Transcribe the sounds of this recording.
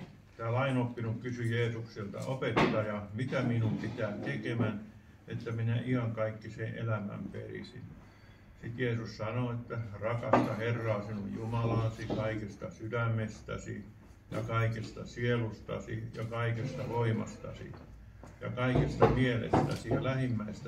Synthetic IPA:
t̪æːlɑinopːinukkysyjeːsukselt̪ɑ̰opet̪t̪ɑjɑmit̪æminumpit̪æːt̪ekemæn | et̪ːæminæʔihɑŋkɑikːisẽːʔḛlæmæ̰mpḛrḭsḭn | sit̪jeːsussɑnoet̪ːærɑkɑst̪ɑherːɑːsinujjumɑlɑːsikɑikest̪ɑsydæmːest̪æ̰sḭ | jɑ̰kɑikest̪ɑsielust̪ɑ̰sḭjɑkɑikest̪ɑʋoimɑ̰st̪ɑ̰sḭ | jɑ̰kɑikest̪ɑmielḛst̪æ̰sijɑlæhimːæist̪æ

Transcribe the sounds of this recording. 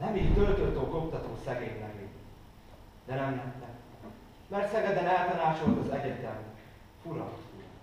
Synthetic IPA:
nɛmict̪ølt̪øt̪oːkokt̪ɒt̪oːsɛɡeːɲmɛɡi | d̪̥ɛnɛmnɛt̪ːɛ | mɛrt̪sɛɡɛd̪ɛnɛlt̪ɒnaːt͡ʃolt̪ozɛɟɛt̪ɛm | fuɾɒu

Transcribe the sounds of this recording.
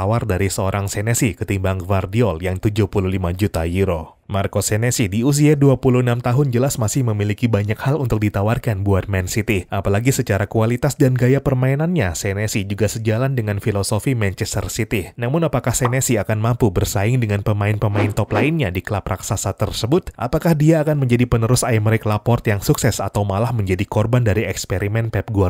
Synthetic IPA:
awardaɾisəoɾaŋsɛnesikət̪imbaŋfardiɔljaŋt̪ud͡ʒuʊhpuluhlimad͡ʒut̪ajuɾo | markosɛnesidius̬iaduapuluhənamt̪aɦʊnd͡ʒəlasmasɪhməmilikibaɲakhalunt̪ʊk̚dit̪awarkanbuat̪̚mɛnsit̪iʔapalaɡisət͡ʃaɾakualit̪asdanɡajapərmainanɲasɛnesid͡ʒuɡasəd͡ʒalandəŋanfilosofimɛnt͡ʃɛst̪ə̰rsit̪inamʊnapakahsɛnesiakanmampubərsaɪŋdəŋanpəmaɪnpəmaɪnt̪ɔplaɪnɲadikəlaprʔaksasat̪ərsəbʊt̪̚ʔa̰pakahdiaːkanməɲd͡ʒadipənəɾʊsajməɾɛklapɔrt̪jaŋsuksɛsa̰t̪awmalahməɲd͡ʒadikɔrbandaɾiɛkspeɾimɛnpɛp̚ɡua

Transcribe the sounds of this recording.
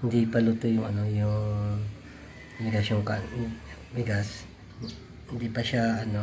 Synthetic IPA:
hɪnd̪ipalʊt̪ʊjʊŋɐnojʊŋ | bɪɡasjoŋka̰ | bɪɡas | hɪnd̪ipaʃaːno

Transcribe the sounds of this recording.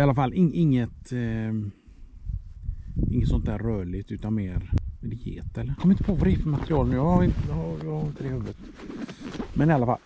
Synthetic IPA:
ɪalːafalːʔɪŋɪŋːət̪ | ʔɪŋːət̪sɔnt̪æːɾœːɭɪɡt̪ʉ̟ːt̪anmeːɾɛd̪ɛjḛːt̪ɛlːəɾkʰɔmːɪnt̪ə̥pʰovaɾefəmat̪ɾɪɑːlnʉːjɑaɪjjɑhaɾɪnt̪əd̪ɛhʉvət̪ | mɛnɪalːafa̰l

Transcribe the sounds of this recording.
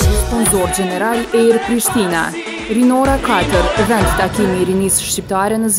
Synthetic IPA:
pund̪ɔɾd͡ʒɛnɛɾalɛɾpɾiʃt̪ina̰ | ɾinɔɾakat̪əɾvɛnd̪t̪akimiɾinisʃt͡ɕip̚t̪aɾɛnəz

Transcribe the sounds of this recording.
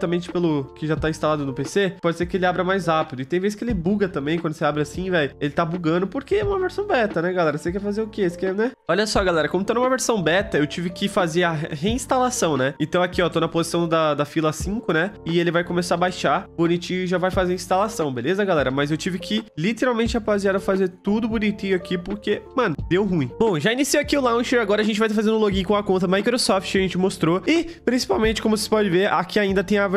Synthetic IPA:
t̪ɐmẽnt͡ʃɪ̥pelʊkɪʒat̪aĩst̪alad̪ʊnʊpesepɔd͡ʒɪseɾkɪelɪabɾɐmajshapid̪ʊɪt̪ẽj̃veskɪelɪbuɡɐt̪ɐ̃mbẽj̃kwɐ̃nd̪ʊseabɾɪasĩvɛjelɪt̪abuɡɐ̃nd̪ʊpoɾkeɛũmɐveɾsɐ̃w̃bɛt̪ɐnɛɡalɛɾɐsekɛɾfazeʊkeesɪ̥kɛnɛɔʎʲɐsɔɡalɛɾɐkõmʊt̪onumɐveɾsɐ̃w̃bɛt̪ɐewt͡ʃivɪkɪfazeɾɐɦeĩst̪alasɐ̃w̃nɛẽnt̪ɐ̃w̃akiɔt̪onɐpozisɐ̃w̃d̪ɐd̪ɐfilɐsĩkʊnɛɪelɪvajkõmesaɾɐbajʃabunit͡ʃĩʊʒavajfazeɾĩst̪alasɐ̃w̃belezɐɡalɛɾɐmɐzewt͡ʃivɪkʰɪlit̪eɾawmẽnt͡ʃɪapaziaɾɐfazeɾt̪ud̪ʊbunit͡ʃĩʊakipoɾkemɐ̃nʊd̪ewɦũĩbõʒainisiwakiʊlãw̃ʃɛɾaɡɔɾɐʒẽt͡ʃɪvajt̪afazẽnʊloɡĩkõw̃ɐkõnt̪ɐmajkɾosɔft͡ʃɪɐʒẽnt͡ʃɪmost̪ɾoɪpɾĩsi̥pawmẽnt͡ʃɪ̥kõmʊse̥pɔd͡ʒɪveɾa̰kʰiaĩnd̪ɐt̪ẽj̃av

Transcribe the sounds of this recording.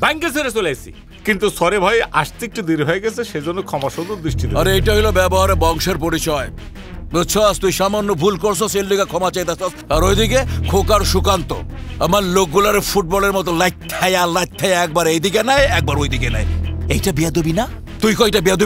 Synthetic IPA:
baŋket͡ɕʰeɾet͡ɕolajsʰḭ | kint̪usɔɾebʱɔjeʔa̰ʃt̪ik̚ʈid̪iɾɦɔeɡɛt͡sʰeʃed͡ʑonːokʰɔmaʃod̪oɾd̪ɾiʃʈʰid̪aɾejʈaɦilobɛboɦaɾebɔŋʃeɾpoɾit͡ɕɔe | oʃʰɔst̪ujʃamanːobʱulkoɾsʰoselːiɡakʰɔmat͡ɕajt̪asʰɔsaɾojd̪ikekʰokaɾʃukant̪o̰amaɾlok̚ɡulaɾefuʈ̚bɔleɾmɔt̪olajt̪̚t̪ʰːajalajt̪t̪ʰːajaɛk̚baɾejd̪ikenajɛk̚baɾojd̪ikena̰eejʈabiad̪ubina | t̪ujkoejʈabiad̪ui

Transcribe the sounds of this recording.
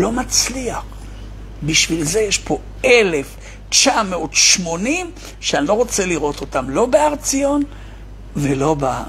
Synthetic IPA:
lo̞mat͡sliaχ | biʃvilze̞jeʃpʰo̞ | elef | t͡ʃameotʃmo̞nim | ʃeanilo̞ʁo̞t͡se̞liʁo̞to̞tamlo̞beaʁt͡sijo̞n | velo̞ba

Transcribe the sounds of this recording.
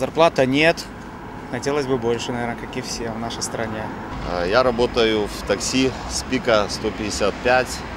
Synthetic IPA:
zɐrplˠat̪ənʲet̪ | xɐtʲelˠəsʲbɨbo̞lʲʂɨnɐvʲeɾnəkakʲɪfsʲevnaʂəjst̪ɾɐnʲe | jaɾɐbot̪əjʊft̪ɐksʲi | spʲikəst̪opʲɪdʲɪsʲat̪̚pʲætʲ

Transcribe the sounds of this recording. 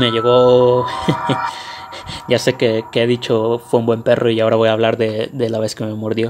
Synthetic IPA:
me̞ʝe̞ɣo | ɟ͡ʝase̞ke̞keeðit͡ʃo̞fweũmbwe̞mpe̞rʔo̞iao̞ɾaβo̞jaːβ̞laɾðe̞ðe̞laβe̞ske̞me̞moɾðjo̞

